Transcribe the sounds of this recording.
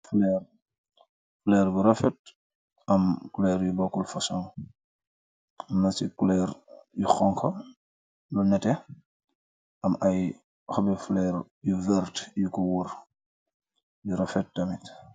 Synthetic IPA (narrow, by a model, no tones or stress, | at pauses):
flɛr | flɛɾbuɾɐfɛt̚ | ɐmkulɛːɾjubɔkːulfɐsɔŋ | mnɐsikulɛːɾjuxɔŋkʰɔ | lunɛtɛ | ɐmɐj | xɐbɛflɛɾ | juvɛɾtjukɔwur | juɾɐfɛt̚dɐmit